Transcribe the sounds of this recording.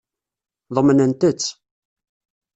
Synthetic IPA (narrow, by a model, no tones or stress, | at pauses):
ðˤəmːnənt̪ət͡sː